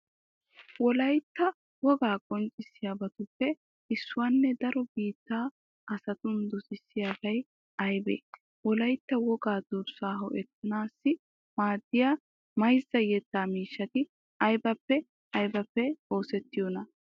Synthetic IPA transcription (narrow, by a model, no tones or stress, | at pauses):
wɔlɐjt̪ːɐ | wɔɡaːkʼɔnt͡ʃʼɪsːɪjabɐt̪ʊpːɛ | ɪsːʊwaːnːɛd̪ɐɾɔbiːt̪ːaː | ʔɐsɐt̪ʊnd̪ɔsɪsːɪjaːbɐj | ɐjbḛː | wɔlɐjt̪ːɐwɔɡaːd̪ʊɾsaːɦɔʔɛt̪ːɐnaːsːɪ | maːd̪ːɪjaː | mɐjzːɐjɛt̪ːaːmiːʃːɐt̪ɪ | ɐjbɐpːɛ | ɐjbɐpːɛo̞ːsɛt̪ːɪjɔnɐ